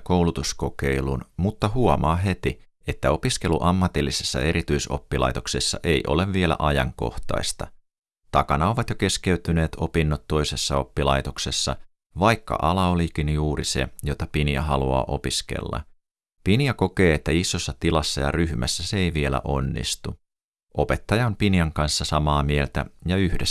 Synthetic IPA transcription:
kowlut̪usko̞ke̞ilunmut̪ːɑhuomɑːɦe̞t̪i | e̞t̪ːæo̞piske̞luʔɑmːɑt̪ilːise̞sːɑ̰e̞ɾit̪yiso̰pːilɑ̰jt̪okse̞sːɑ̰ʔe̞jʔo̞̰le̞ʋʋielæ̰ʔɑjɑ̰ŋko̞̰ht̪ɑ̰ist̪ɑ | t̪ɑkɑnɑo̞ʋɑt̪joke̞ske̞yt̪yne̞ːt̪o̞pinːot̪tːo̞jsesːɑo̞pːilɑjt̪o̞kse̞sːɑ̰ | ʋɑjkːɑ̰ʔɑlɑolikinjuːrise̞̰jo̞t̪ɑpiniɑɦɑluɑ̰ːʔo̞piskḛlːɑ̰ | piniɑko̞ke̞ːet̪ːæisːosːɑt̪ilɑsːɑjɑ̰ryhmæsːæseeiʋie̞læ̰ʔo̞nːḭst̪u | ʔo̞pe̞t̪ːɑjɑompiniɑŋkɑnsːɑsɑmɑːmie̞lt̪æ̰jɑyhde

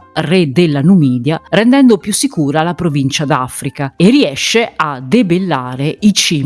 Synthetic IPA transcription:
rɛd̪elːanumiːd̪jarɛnd̪ɛnd̪opjusːikuːɾalapɾovint͡ʃad̪afɾikaeriɛʃːead̪ebelːaːɾeit͡ʃiː

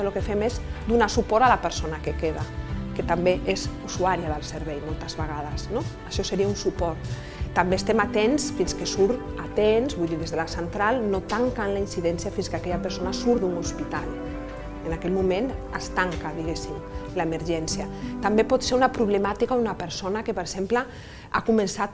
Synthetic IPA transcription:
əlokefɛmezd̪unasupɔɾalapəɾsonakekeðaket̪ambeʔezusuaɾiaðəlˠsəɾβɛjmolˠt̪əzβəɣað̞əsnoəʃɔsəɾiaunsupɔɾt̪ | t̪ambest̪ɛmat̪ensfinskesuɾt̪at̪enzβujðiðezðəlasənt̪ɾalˠnot̪aŋkanlainsiðɛnsiafinskakɛʎapəɾsonasuɾd̪uŋuspit̪alˠ | enakɛʎmumenəst̪aŋkaðiɣesimlaeməɾʒɛnsjat̪ambepɔt̪seɾunapɾuβ̞ləmat̪ikaunapəɾsonakepəɾz̥emplə | a̰kumənsat̪̚

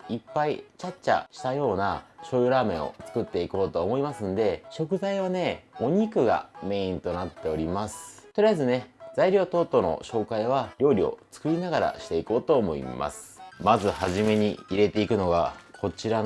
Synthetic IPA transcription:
ipːait͡ɕat͡ɕt͡ɕa̰ɕi̥t̪ajo̞ːnaɕo̞ːjoɾaːmẽ̞ɰ̃o̞̰t͡sɨ̥kɯ̟t̪ːe̞iko̞ːt̪oːmo̞imasɨ̃nd̪e̞ɕo̞kɯ̟zaiβ̞ane̞o̞ɲ̟ikɯ̟ɡa̰me̞ĩnt̪o̞nat̪ːe̞o̞ɾʲimasɨ̥t̪o̞ɾʲijaizɨne̞zaiɾʲo̞ːt̪o̞ːt̪ːo̞no̞̰ɕo̞ːkaiβ̞aɾʲo̞ːɾʲio̞̰t͡sɨ̥kɯ̟ɾʲinaɡaɾa̰ɕi̥t̪e̞iko̞ːt̪o̞ːmo̞ḭma̰sɨ̥mazɨhaʑime̞ɲ̟iiɾe̞t̪e̞ikɯ̟no̞ɡakʰo̞t͡ɕiɾa

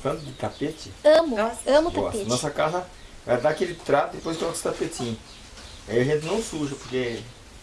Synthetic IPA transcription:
t̪ɐ̃nt̪ʊd̪ɪt̪apet͡ʃ̪ɪɐ̃mʊɐ̃mʊt̪aɔpenɔsɐkazɐvajd̪akelɪt̪ɾat̪ɐd̪ɪpojzt̪ɔ̃kst̪apet̪ĩɲʊ | aiɐʒẽnt̪ɪnɐ̃w̃suɾʒɐpoɾke

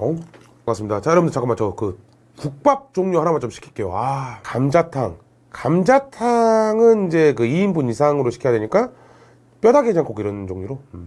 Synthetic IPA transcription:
o | kkas͈ɯmɲidat͡ɕajʌɾʌbɯnd̪et͡ɕak͈ɯmat͡ɕʌkɯ | kuk̚p͈ap̚t͡ɕ͈oŋɲohanamant͡ɕomɕʰi̥kʰi̥k͈e̞jo̰akamd͡ʑatʰaŋ | kamd͡ʑatʰaŋɯnid͡ʑe̞kɯiinbunisʰaŋɯɾoɕʰi̥kʰjadweɲik͈a | p͈jʌdaɡeɲaŋk͈ʰoɡiɾʌnd͡ʑoŋɲoɾo

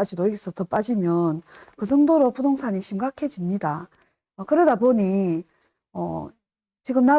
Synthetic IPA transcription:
ad͡ʑidoiɡesʰʌtʌp͈ad͡ʑimjʌnkɯsʰʌŋdoɾopudoŋsʰaɲiɕʰimɡakʰe̞d͡ʑimɲida | ʌkɯɾʌdaboɲi | ʌ̰ | t͡ɕiɡɯmna

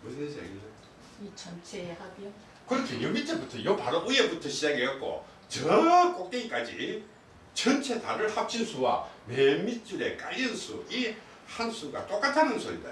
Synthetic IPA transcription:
musʰed͡ʑa̰ɡie | it͡ɕʰʌnt͡ɕʰehaɡo | kɯɾʌtʰejʌmit͡ɕ͈ʰebutʰʌjʌpaɾoʔueputʰʌɕʰid͡ʑaɡejʌk̚k͈o̰ | t͡ɕʌʌk͈ok̚t͈eŋik͈ad͡ʑi | t͡ɕʌnt͡ɕʰe̞ta̰ɾɯɭhap̚t͡ɕʰinsʰuwa̰memit͡ɕ͈uɾe̞k͈ainsʰui | hansʰuɡa̰t͈ok͈atʰanɯnsʰoḭda̰

